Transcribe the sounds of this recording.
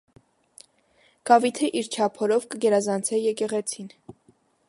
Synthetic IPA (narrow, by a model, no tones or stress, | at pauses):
ɡ̥ɑvit̪ʰiʔiɾt͡ʃʰɑpʰɔɾɔvkəɡɛɾɑzɑnt͡sʰɛjɛkɛʁɛt͡sʰin